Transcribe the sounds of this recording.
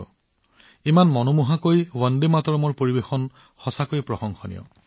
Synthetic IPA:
imanmɔnomuɦakojwɔndimatɔɹɔmɔɹpoɹibexɔn | xɔsakojpɹɔxɔŋxɔnḭjɔ̰

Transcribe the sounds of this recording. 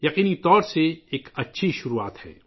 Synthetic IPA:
jɐqiːnit̪ɔːɾseeːkɐtːʃʰiʃʊɾua̰ːt̪hɛ̰ː

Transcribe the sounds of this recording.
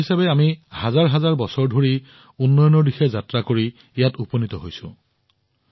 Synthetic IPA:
isabɛamihazaɹɦazaɹbɔsɔɹdʱoɹi | unːɔjɔnɔɹdixɛzatɹakoɹi | jatuponitɔɦojsʊ̰̃

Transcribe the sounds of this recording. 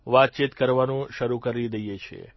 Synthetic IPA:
ʋat̪̚t͡ʃit̪kəɾʋanũʃəɾukəɾid̪əjet͡ʃʰḛ

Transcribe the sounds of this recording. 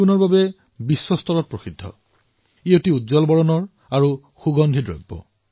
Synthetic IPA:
unɔɹbabɛ | bisːɔstɔɹɔt̚pɹosidʱːɔ̰ | iotiudzɔlbɔɹɔnɔɹ | aɹu | xuɡɔnd̪ʱidɹɔ̰jbːɔ̰

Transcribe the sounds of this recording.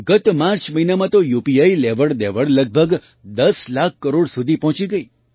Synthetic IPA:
ɡət̪maɾt͡ʃməɦinamãt̪ojupiaileʋəɽd̪eʋəɽləɡ̚bʱəɡ | d̪əslakʰːəɾoɽsud̪ʱipɔɦt͡ʃiɡəi

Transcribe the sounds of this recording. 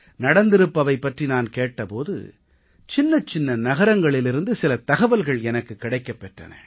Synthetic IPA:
nɐɽɐnd̪ɪɾɯpːɐʋɐɪpːɐʈrinaːnkeːʈːɐpoːðɯ̰ | t͡ʃɪnːɐt͡ʃːɪnːɐnɐɣɐɾɐŋɡɐɭɪlɪɾɯnd̪ɯsɪlɐt̪ɐɣɐʋɐlɣɐɭɛnɐkːɯkːɪɽɐɪkːɐpːɛʈrɐ̰nɐ̰

